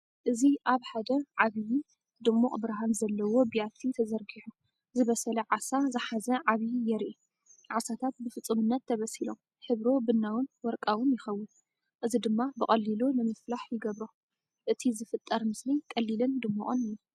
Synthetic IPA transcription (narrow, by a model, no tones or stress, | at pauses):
ʔɨziʔaβħad̪ɐʕaβiji | d̪ɨmːuʔʼbɨɾaɦanzɐlːɐwo̞bijat̪ʰit̪ʰɐzɐɾɡiħu | zɨβɐsɐlɐʕasazɨħazɐʕaβijjɛɾʔi | ʕasat̪ʰat̪̚bɨfɨt͡sʼːɨmɨnːɐt̪ʰːɐβɐsilo̞m | ħɨβɾo̞bɨnːawʊnwɔɾkʼawɨnjɪxɐwːɨn | ʔɨzid̪ɨmːabɨkʼɐlːilonɨmɨflaħjɪɡɐβɾo | ʔɨt̪ʰizɨfɨt̪ʼːɐɾmɨslikʼɐlːilɨnd̪ɨmːuʔʼɨnɨjːu